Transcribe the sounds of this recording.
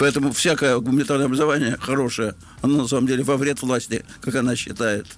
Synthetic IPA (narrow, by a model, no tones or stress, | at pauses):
pɐɛt̪əmʊfsʲakəjəɡʊmənʲɪt̪arnəjəɐbrəzɐvanʲɪjəxɐɾo̞ʂəjə | ɐnonɐsaməmdʲelʲɪvɐvɾʲe̞t̪vlˠasʲtʲɪkakɐnaɕːɪt̪ajɪt̪